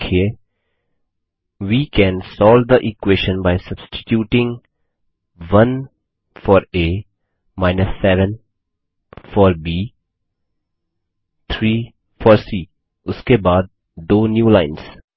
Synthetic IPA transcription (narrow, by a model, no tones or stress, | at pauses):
kʰe | ʋiːkɛ̃ːnsɔːld̪əʔɪkweːʃə̃nbaːɪsɐbsʈɪ̥ʈjuːʈɪ̃ŋ | ʋɐ̃n | fɔːɾeː | maɪnəsːɛːʋə̃n | fɔːɾbiː | t̪ʰɾiː | fɔːɾsiː | ʊskebaːd̪̚ | d̪oːnjuːlaɪ̃ns